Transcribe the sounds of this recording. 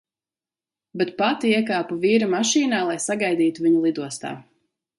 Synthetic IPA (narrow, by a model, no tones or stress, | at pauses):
beɛt̪pat̪iiɛkaːpuviːɾamaʃiːnaːlˠajsaɡajd̪iːt̪uviɲulˠid̪uɔst̪a̰ː